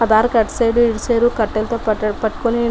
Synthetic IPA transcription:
ɐd̪aːɾɐkɐʈsɐjɖuiɽit͡ʃeːɾukɐʈːɐlt̪oːpɐʈːu̥kuni

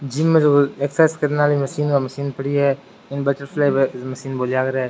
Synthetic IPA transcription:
d͡ʒimːẽd͡ʒoeksɛːskəɾnaːliməsiːnmaməsiːnpəɽiɦɛː | ɪnbəʈəɾfʰlaːibeməsiːnboːlaːɡəɾɛː

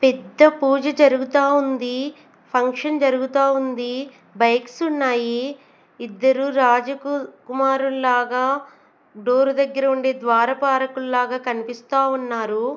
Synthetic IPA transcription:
pɛd̪ːɐpuːd͡ʒɐd͡ʒɐɾuɡut̪aːund̪i | pʰɐŋkʂɐnd͡ʒɐɾuɡut̪aːund̪i | bɐjksunːaːjiː | d̪ːɐɾuɾaːd͡ʒɐkukumaːɾullaːɡaː | ɖoːɾud̪ɐɡːɐɾɐuɳɖeːd̪ʋaːɾɐpaːɾɐkullaːɡaːkɐnipist̪aːunːaːɾu

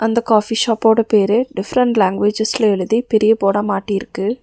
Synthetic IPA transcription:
ɐnd̪ɐkaːfiʃaːpːoːɽɐpeːɾeɖɪfɾɐɳʈlaːŋɡʋeːd͡ʒɐslɐɛɻɯðipɛɾɪjɐpoːɽɐmaːʈːiɪɾɯkːɯ

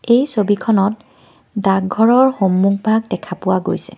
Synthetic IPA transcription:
ejsobikʰɔnɔt̚ | daɡɡʱɔɹɔɹxomːuk̚bʱaɡdɛkʰapʊwaɡojsɛ̰

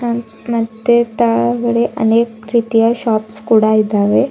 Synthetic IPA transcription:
mɐt̪ːet̪aɭɐɡɐɭeʔɐ̰neːkɾiːt̪ijɐʃaːpskuːɽaid̪aːʋe

